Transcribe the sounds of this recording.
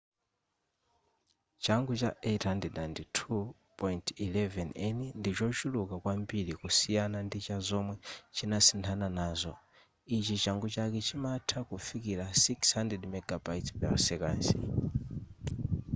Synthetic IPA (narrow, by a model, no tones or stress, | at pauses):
t͡ʃaŋɡut͡ʃaʔɛthandɛɗanditʰu | pɔjintilɛvɛnɛnindit͡ʃɔt͡ʃulukakwambiɾikusijanandit͡ʃazɔmwɛt͡ʃinasintʰananaːzɔ | it͡ʃit͡ʃaŋɡut͡ʃakɛt͡ʃimatʰakufikiɾasikshandɛdmɛɡabajtpɛa̰sɛka̰ːnsɛ̰